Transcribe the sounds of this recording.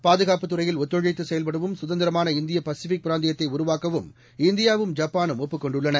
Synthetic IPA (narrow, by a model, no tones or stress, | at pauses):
paːðɯɣaːpɯt̪ːɯɾɐjɪlɔt̪ːɔɻɐɪt̪ːɯsɛjɐlpɐɽɯʋɯmsʊðɐnd̪ɪɾɐmaːnɐɪnd̪ɪjɐpɐsɪfɪk̚pɪɾaːnd̪ɪjɐt̪ːɐɪʊɾʊʋaːkːɐʋɯm | ɪnd̪ɪjaːʋɯmd͡ʒaːpːaːnɯmɔpːɯkːɔɳɖɯɭːɐnɐ